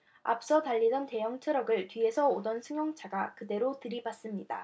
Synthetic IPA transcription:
a̰p̚s͈ʌtaʎːidʌnte̞jʌŋt͡ɕʰɯɾʌɡɯɭtɥie̞sʰʌodʌnsʰɯŋjʌŋt͡ɕʰaɡakɯde̞ɾotɯɾibas͈ɯmɲida̰

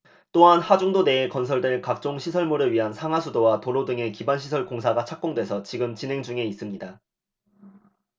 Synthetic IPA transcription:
t͈oɦanhad͡ʑuŋdone̞ːkʌnsʰʌɭdɯɭkak̚t͡ɕ͈oŋɕʰisʰʌɭmuɾɯɭɥiɦansʰaŋɦwasʰudowatoɾodɯŋe̞kibanɕʰisʰʌɭkoŋsʰaɡat͡ɕʰak̚k͈oŋdwe̞sʰʌt͡ɕiɡɯmt͡ɕinɦe̞ŋd͡ʑuŋe̞is͈ɯmɲida

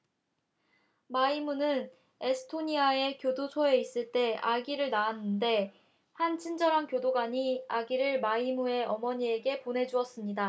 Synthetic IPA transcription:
maimunɯn | e̞sʰɯ̥tʰoɲiae̞kjodosʰoe̞is͈ɯɭt͈e̞aɡiɾɯɭnaanːɯnde̞ | hant͡ɕʰind͡ʑʌɾɦankjodoɡaɲiaɡiɾɯɭmaimue̞ʌmʌɲie̞ɡe̞pone̞d͡ʑuʌs͈ɯmɲida

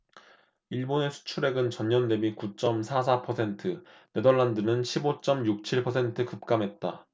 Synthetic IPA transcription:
iɭbone̞sʰu̥t͡ɕʰuɾe̞ɡɯnt͡ɕʌɲɲʌnːe̞mikut͡ɕ͈ʌmsʰasʰapʰʌsʰe̞ntʰɯne̞dʌɭːandɯnɯnɕʰibot͡ɕ͈ʌmjuk̚t͡ɕʰiɭpʰʌsʰentʰɯkɯp̚k͈amɦe̞t̚t͈a

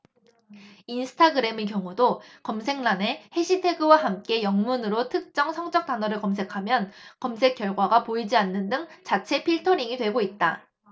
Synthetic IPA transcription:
insʰɯ̥tʰaɡɯɾe̞mek̬jʌŋudokʌmsʰe̞ŋnane̞he̞ɕʰitʰe̞ɡɯwaɦamk͈e̞jʌŋmunɯɾotʰɯk̚t͡ɕ͈ʌŋsʰʌŋd͡ʑʌk̚t͈anʌɾɯɭkʌms̬ʰe̞kʰamjʌnkʌmsʰe̞k͈jʌɭɡwaɡapoid͡ʑianːɯndɯŋt͡ɕat͡ɕʰe̞pʰiɭtʰʌɾiŋidwe̞ɡoit̚t͈a

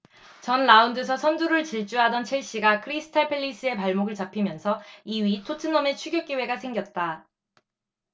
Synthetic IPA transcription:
t͡ɕʌnlaundɯsʰʌsʰʌnduɾɯɭt͡ɕiɭt͡ɕ͈uɦadʌnt͡ɕʰiɭɕ͈iɡakʰɯɾisʰɯ̥tʰaɭpʰeɭːis͈ɯe̞paɭmoɡɯɭt͡ɕapʰimjʌnsʰʌiɥitʰotʰɯnʌme̞t͡ɕʰuɡjʌk͈ewe̞ɡasʰe̞ŋɡjʌt̚t͈a

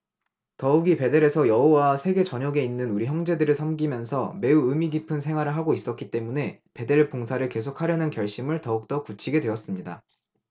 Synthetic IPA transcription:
tʌuɡipe̞de̞ɾe̞sʰʌjʌɦowasʰe̞ɡe̞t͡ɕʌɲʌɡe̞inːɯnuɾiçjʌŋd͡ʑe̞dɯɾɯɭsʰamɡimjʌnsʰʌme̞uɯmiɡipʰɯnsʰe̞ŋwaɾɯɭɦaɡois͈ʌk͈it͈e̞mune̞pe̞de̞ɭp͈oŋsʰaɾɯɭke̞sʰok̚haɾjʌnɯnkjʌɭɕ͈imɯɭtʌuk̚t͈ʌkut͡ɕʰiɡe̞dwe̞ʌs͈ɯmɲida

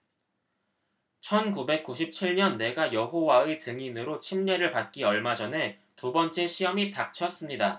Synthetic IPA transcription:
t͡ɕʰʌnkube̞k̚k͈uɕʰip̚t͡ɕʰiɭɲʌnːe̞ɡajʌɦowae̞t͡ɕɯŋinɯɾot͡ɕʰimɲe̞ɾɯɭpat̚k͈iʌɭmad͡ʑʌne̞ | tubʌnt͡ɕ͈e̞ɕʰiʌmitak̚t͡ɕʰʌs͈ɯmɲida

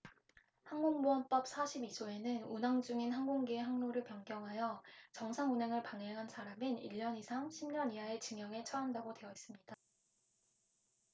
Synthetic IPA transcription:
hanɡoŋmoʌnp͈ʌp̚s͈ʰaɕʰibid͡ʑoe̞nɯnunaŋd͡ʑuŋinɦanɡoŋɡieɦaŋnoɾɯɭpjʌŋɡjʌŋɦajʌt͡ɕʌŋsʰaŋunɦeŋɯɭpaŋeŋɦansʰaɾaminiʎːʌnisʰaŋɕʰimɲʌniɦaet͡ɕɯŋjʌŋe̞t͡ɕʰʌandaɡode̞ʌis͈ɯmɲida

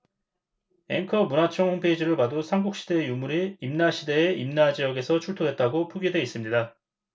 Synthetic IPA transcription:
e̞̰ŋkʰʌmunat͡ɕʰʌŋhompʰe̞id͡ʑiɾɯɭpadosʰaŋɡuk̚ɕ͈ide̞ːjumuɾiimnaɕʰide̞ːimnad͡ʑijʌɡe̞sʰʌt͡ɕʰuɭtʰodwe̞t̚t͈aɡopʰuɡidwe̞is͈ɯmɲida

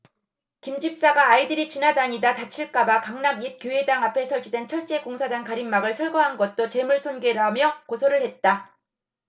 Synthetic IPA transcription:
kimd͡ʑip̚s͈aɡaːidɯɾit͡ɕinadaɲidatat͡ɕʰiɭk͈abakaŋnaɡip̚k͈joedaŋapʰe̞sʰʌɭd͡ʑʰidwent͡ɕʰʌɭt͡ɕ͈e̞koŋsʰad͡ʑaŋkaɾimːaɡɯɭt͡ɕʰʌɭɡʌɦanɡʌt̚t͈ot͡ɕe̞muɭsʰonɡeɾamjʌkosʰoɾɯɭhe̞t̚t͈a

